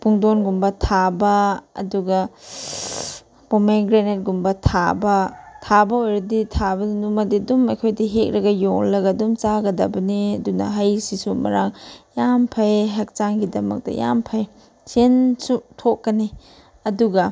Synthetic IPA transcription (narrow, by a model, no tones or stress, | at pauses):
puŋdonɡumbɐtʰabɐɐ̰duɡɐ | pomeɡɾenet̚ɡumbɐtʰabɐtʰabɐojɾɐditʰabɐnumɐdidumɐjkʰojdiɦek̚ɾɐɡɐjoŋlɐɡɐdumt͡ʃaɡɐdɐbɐniɐdunɐ̰ɦajsisumɐ̰ɾaŋjampʰajɦɐk̚t͡ʃaŋɡidɐmɐ̰k̚tɐ̰ja̰mpʰɐj | sensutʰokːɐni | ɐduɡɐ